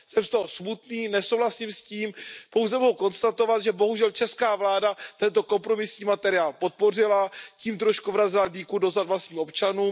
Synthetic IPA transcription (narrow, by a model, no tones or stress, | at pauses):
sɛmst̪oɦosmut̪niːnɛso̞wlasimsciːmpo̞wzɛmoɦuko̞nst̪at̪o̞vat̪ʒɛbo̞ɦuʒɛlt͡ʃɛskaːvlaːdat̪ɛnt̪o̞ko̞mpɾo̞mɪsɲiːmat̪ɛɾɪaːlpo̞t̪̚po̞r̝ɪlaciːmt̪ɾo̞ʃkuvɾazɪladiːkudo̞zad̪vlast̪ɲiːo̞pt͡ʃanuːm